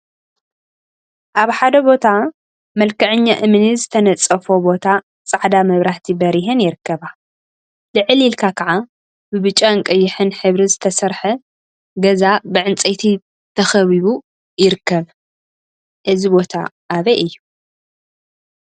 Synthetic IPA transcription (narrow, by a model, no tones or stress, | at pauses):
ʔaβħad̪ɐbo̞t̪ʰa | mɐlkɐʕɨɲːaʔɨmɨnizɨt̪ʰɐnɐt͡sʼɐfobo̞t̪ʰa | t͡sʼaʕd̪amɐβɾaht̪ʰibɐɾiɦɛnjɪɾɨkːɐβa | lɨʕɨlilkʰakʰɐʕa | bɨβɨt͡ʃʼːaɨŋkʼɐjːɪħɨnħɨβɾizɨt̪ʰɐsɐɾħɐ | ɡɐzabɨʕɨnt͡sʼɐjt̪ʰi | t̪ʰɐxɐβiβu | jɪɾɨkːɐβ | ʔɨzibo̞t̪ʰa̰ʔaβeʔɨjːu